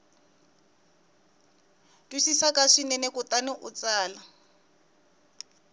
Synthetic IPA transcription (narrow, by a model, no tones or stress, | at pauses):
twisisakaʂinɛnɛkʊtanʊʔʊt͡saːla